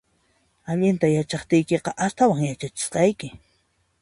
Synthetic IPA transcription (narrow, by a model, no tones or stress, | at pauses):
aʎɪnt̪ajat͡ʃɑχt̪ɪjkeqɑʔast̪awaŋjat͡ʃat͡ʃɪ̥sqɑjkɪ